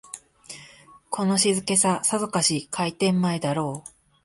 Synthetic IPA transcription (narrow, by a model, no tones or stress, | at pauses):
kʰo̞no̞ɕizɨke̞sasazokaɕikʰait̪ẽ̞mːaed̪aɾo̞ː